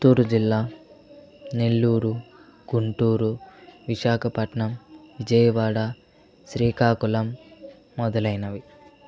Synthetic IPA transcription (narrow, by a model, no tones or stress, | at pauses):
t̪uːɾud͡ʒilːaː | ne̞lːuːɾu | ɡ̥uɳʈuːɾuʋiʃaːkʰɐpɐʈɳɐmʋid͡ʒɐjɐʋaːɽɐ | ʃɾiːkaːkulɐmː | ɔd̪ɐlɐjnɐʋi